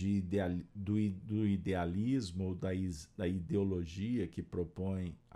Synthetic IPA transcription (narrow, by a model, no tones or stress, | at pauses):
ɪd̪ead̪ʊd̪ʊid̪ealizmʊd̪ɐizd̪ɐid̪eoloʒiɐkɪpɾopõj̃